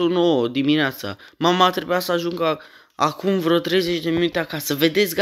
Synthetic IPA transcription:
unowəd̪imineat̪sa̰mamat̪ɾebujasəaʒuŋɡə | a̰kumvɾot̪ɾe̞jze̞t͡ʃd̪eminut̪eakasəve̞d̪e̞t̪sʲɡ

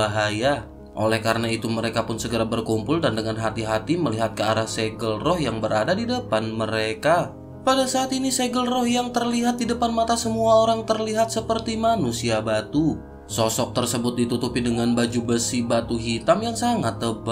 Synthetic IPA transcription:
aɦaja | ʔo̰lɛhkaɾənait̪uməɾekapʊnsəɡəɾabərkumpʊldandəŋanɦat̪iɦat̪iməliɦat̪̚kəaɾahseɡəlrɔhjaŋbəɾadadidəpanməɾeka | padasaːt̪iniseɡəlrɔhjaŋt̪ərliɦat̪̚didəpanmat̪asəmuaoɾaŋt̪ərliɦat̪̚səpərt̪imanusiabat̪u | sɔsɔk̚t̪ərsəbʊt̪̚dit̪ut̪upɪdəŋanbad͡ʒubəsibat̪uɦit̪amjaŋsaŋat̪ːəba

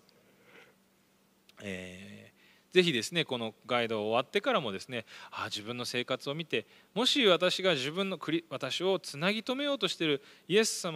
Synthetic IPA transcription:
eː | ze̞çid̪e̞sɨne̞ko̞no̞ɡaid̪o̞ːβat̪ːe̞kaɾamo̞d̪e̞sɨne̞aʑibɯ̟̃nːo̞se̞ːkat͡sɨo̞mʲit̪e̞ | mo̞ɕiβat̪aɕiɡaʑibɯ̟̃nːo̞kɯ̟ɾʲiβat̪aɕio̞t͡sɨnaɡʲit̪o̞me̞jo̞ːt̪o̞ɕi̥t̪e̞ɾɯ̟ie̞sːam

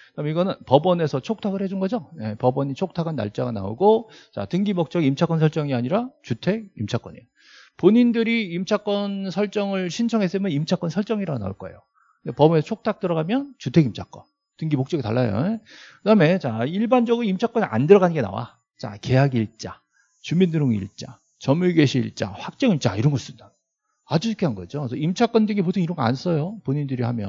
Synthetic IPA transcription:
kɯdameiɡʌnɯnpʌbʌne̞sʰʌt͡ɕʰok̚tʰaɡɯɭhe̞d͡ʑunɡʌd͡ʑojepʌbʌɲit͡ɕʰok̚tʰaɡanːa̰ɭt͡ɕ͈aɡana̰ṵɡot͡ɕa̰tɯŋɡimok̚t͡ɕ͈ʌɡiimt͡ɕʰak͈ʌnsʰʌɭt͡ɕ͈ʌŋiaɲiɾat͡ɕutʰe̞ɡ̚imt͡ɕʰak͈ʌnḛ | poɲindɯɾiːmt͡ɕʰak͈ʌnsʰʌɭt͡ɕ͈ʌŋɯɭɕʰint͡ɕʰʌŋɦe̞s͈ɯmjʌnimt͡ɕʰak͈ʌnsʰʌɭt͡ɕ͈ʌŋiɾaona̰ṵɭk͈ʌejo | depʌbʌnesʰʌt͡ɕʰok̚tʰak̚t͈ɯɾʌɡamjʌnt͡ɕutʰe̞ɡimt͡ɕʰak͈ʌn | tɯnɡimok̚t͡ɕ͈ʌɡitaɭːajo̰ekɯdame̞t͡ɕaiɭband͡ʑʌɡɯɾimt͡ɕʰak͈ʌna̰ndɯɾʌɣanɯnŋɡe̞na̰wa̰ | t͡ɕa̰ke̞jaɡiɭt͡ɕ͈a | t͡ɕuminːuɾoŋḭɭt͡ɕ͈a | t͡ɕʌmuɭɡeɕʰiiɭt͡ɕ͈a̰ɸwak̚t͡ɕ͈ʌŋiɭt͡ɕ͈aiɾʌnɡʌs͈ɯmida | ad͡ʑuɕʰikʰeɦanŋɡʌd͡ʑosʰʌimt͡ɕʰak͈ʌndeɡipotʰoniɾʌŋɡʌa̰ns͈ʌjopoɲindɯɾihamjʌn

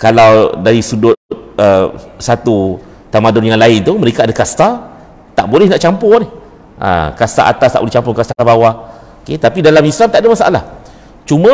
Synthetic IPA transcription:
kalawdaɾisudʊtt̪̚əsat̪u | t̪amadʊnjaŋlaɪnt̪uməɾekaadakast̪a | t̪aʔbolɛhnaʔt͡ʃampʊnɪh | ʔa̰kast̪a̰ʔa̰t̪ast̪aʔbolɛht͡ʃampʊŋkast̪aabawah | oket̪apidalamislamt̪aʔadamasaʔa̰la̰h | t͡ʃumã

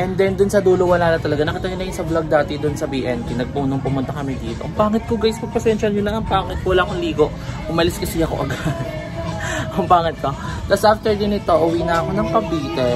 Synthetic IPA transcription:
ʔɛnd̪ɛnd̪ʊnsɐd̪uːlowɐlaːnɐt̪ɐlɐɡanɐkɪt̪ɐjɪnɐjʊnsɐblɐɡ̚d̪aːt̪ɪd̪ʊnsɐbiːʔɛnp̪inɐɡ̚punoŋpʊmʊnt̪ɐkɐmɛd̪iːt̪oʔɐŋpaːŋɪt̪̚koɡajɪsmɐɡ̚pɐsɛnʃɐlɲʊnlɐɐŋpaːŋɪt̪kwɐlaːʔɐkoŋliːɡo̞ʔhʊmɐlɪskɐsɛjɐko̰ʔɐɡad̪̚ | kɐŋpaːŋɪt̪̚kolɐsʔaft̪ɛɹd̪ɪnɪt̪o̞ʔʊwiːnɐʔɐko̞nɐŋpɐbiːt̪ɛ

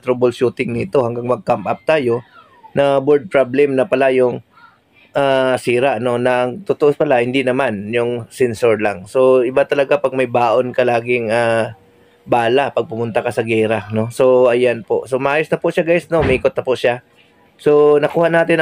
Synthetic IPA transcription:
t̪ɾobolʃuːt̪ɪŋnɪt̪o̞haŋɡaŋmɐɡ̚kampʔap̚t̪aːjo̞ | nɐbɛɹd̪̚pɹablɛmnɐpɐlajʊŋ | ʔaːsiːɾaʔno̞nɐŋt̪ʊt̪oʔopɐlahɪnd̪inɐmanjʊŋsɛnsoɹlaŋso̞ɪbat̪ɐlɐɡapɐɡ̚mɐjbaːʔo̞nkɐlaːɡɪŋa | baːlapɐɡ̚pʊmʊnt̪akɐsɐɡɛːɾano̞so̞ʔɐjanpo̞̰ʔsomɐʔaːjosnɐpʊʔʃaɡajsno̞mɐʔiːkot̪̚nɐpʊʔʃa | so̞nɐkuːhanaːt̪ɪn

